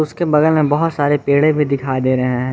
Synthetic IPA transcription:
ʊskebɐɡəlmẽbɐɦʊt̪saːɾepeːɽẽbʱid̪ɪkʰaːid̪eːɾɐɦẽɦɛ̃ː

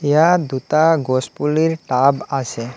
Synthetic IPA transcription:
ejad̪ut̪aɡospuliɾʈabasʰe

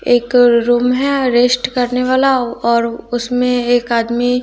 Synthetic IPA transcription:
eːkɾuːmɦɛɾeːsʈkɐɾneʋaːlaɔːɾʊsmẽeːkaːd̪mi

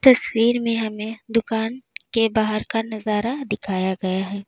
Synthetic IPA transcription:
t̪ɐswiːɾmẽɦɐmẽd̪ʊkaːnkebaːɦəɾkanɐzaːɾad̪ɪkʰaːjaɡɐjaɦɛː

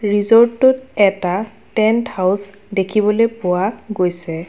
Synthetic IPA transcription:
ɹizɔɹtːʊtɛta | tɛnthaws | dekʰibɔlojpʊwaɡojsɛ

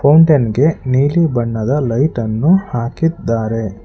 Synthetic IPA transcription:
pʰɐwɳʈɐnɡe̞niːlibɐɳːɐd̪ɐlɐjʈɐnːuhaːkid̪ːaːɾe̞

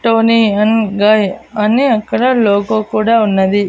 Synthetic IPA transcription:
ʈoːniɐnɡɐjɐniɐkːɐɽɐloːkoːkuːɽaːunːɐd̪i

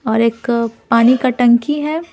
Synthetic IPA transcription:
ɔːɾeːkpaːnikaʈɐ̃ŋkiɦɛ

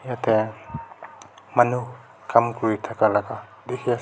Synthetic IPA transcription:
jat̪ʰɛ | manuh | kʰamkuit̪ʰakalaka | d̪ekʰia

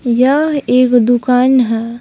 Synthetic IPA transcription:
jaeːkd̪ukaːnɦɛː

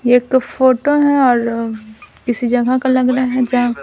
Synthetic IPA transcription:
eːkfoːʈoɦɛ̃ɔːɾ | kɪsid͡ʒɐɡʱakalɐɡɾɐɦeɦɛ̃d͡ʒɐɦã

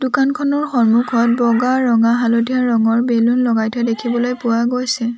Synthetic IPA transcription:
dukankʰɔnɔɹxɔɹmukʰɔt̚bɔɡaɹɔŋaɦalodijaɹɔŋɔɹbelunlɔɡajtʰɛdekʰibɔlojpʊwaɡojsɛ

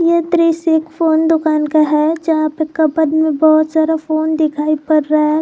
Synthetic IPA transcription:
jet̪ɾiːseːkfoːnd̪ʊkaːnkaɦɛd͡ʒɐɦãpekːɐpɐd̪mẽbɔɦʊt̪saːd̪afoːnd̪ɪkʰaːipɐɾːɐɦɛ

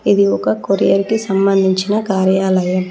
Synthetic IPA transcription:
id̪iɔkɐkoɾijɐɾikisɐmbɐnd̪ʱiɲt͡ʃinɐkaːɾjaːlɐju

